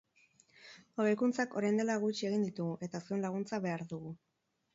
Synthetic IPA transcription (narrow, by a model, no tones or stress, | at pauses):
oβejkunt͡sako̞ɾajnd̪e̞laɣut͡ʃie̞ɣind̪it̪uɣuʔe̞t̪aseunlaɣ̞unt͡saβe̞aɾðuɣu